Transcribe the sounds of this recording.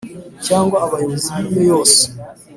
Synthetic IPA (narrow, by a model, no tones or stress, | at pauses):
caːŋɡwaːβajoβoziaimejoːse̥